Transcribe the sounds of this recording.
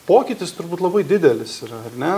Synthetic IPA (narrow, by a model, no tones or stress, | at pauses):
poːkʲiːt̪ʲɪst̪ʊɾbuːt̪lˠɐbɐɪd̪ʲɪd̪ʲɛlʲɪsiːɾɐɐrnʲɛ